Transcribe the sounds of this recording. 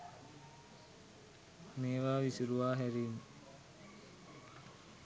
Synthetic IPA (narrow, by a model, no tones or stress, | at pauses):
meːʋaːʋisuɾuʋaːɦæɾiːn